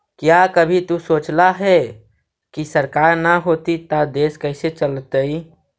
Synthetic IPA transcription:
kjakəbʱit̪usot͡ʃlaɦɛ | kisəɾkaɾnəɦot̪it̪ad̪eskəɪset͡ʃəlt̪əi

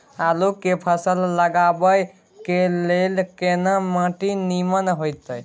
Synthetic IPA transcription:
alokːepʰəsəlːəɡabəj | kelelkenamãʈinimənɦojt̪əj

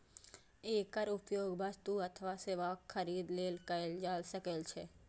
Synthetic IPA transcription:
ekəɾupjoɡbʱəd͡ʒt̪ũət̪ʰəʋaseʋakkʰːəɾid̪lelkəeld͡ʒalʃəkelt͡ʃʰe

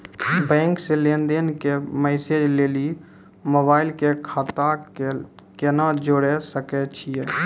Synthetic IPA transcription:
bɛ̃ːŋkselend̪enkemɛːsed͡ʒleːli | moːbaːɪlkekʰaːt̪a | kenad͡ʒoɽesəkɛt͡ʃʰiɛː

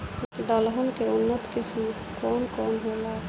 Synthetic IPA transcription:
d̪əlɦənkeʊnːət̪kism | kɔnkɔnɦola

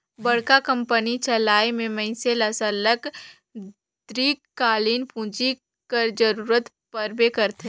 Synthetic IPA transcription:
bɐɽ̤kakə̃mpənit͡ʃɐlaːemẽmɐ̃ɪ̃seləsələk | d̪̥ɾiːkːaːliːnpũːd͡ʒi | kəɾd͡ʒəɾuːɾət̪ | pəɾbekəɾt̪e

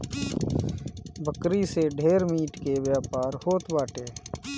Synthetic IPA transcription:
bʱəkɾiseɖʱeːɾmiːʈkewjaːpaːɾhoːt̪baːʈeː

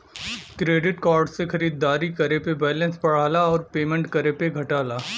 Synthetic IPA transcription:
kɾeːɖɪʈkɔːɾɖsexɐɾiːd̪ːaːɾikɐɾepebɛːlə̃nspɐɽ̤aːlaɔːɾpeːmə̃ɳʈkɐɾepeɡʱɐʈaːlaː

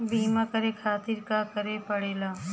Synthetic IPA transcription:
biːmakəɾekʰaːt̪iɾkakəɾepəɽeːlaː

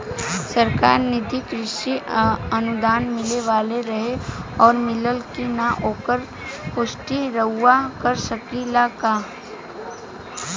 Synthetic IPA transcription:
sɐɾkaːɾnɪd̪ʱikɾɪʃiɐnʊd̪aːnmɪleʋaːleɾɐɦeɔːɾmɪləlkinaʔoːkəɾ | pʊʃʈiɾəɦʊakəɾsəkilakaː

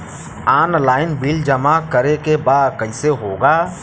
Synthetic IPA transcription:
aːnlaːɪnbild͡ʒəmakəɾekebaːd̪kəɪseɦoːɡaː

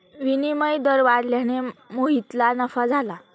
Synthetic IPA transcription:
ʋiniməjd̪əɾʋaɾljaɽ̃emoɦit̪lanəfad͡zʱala

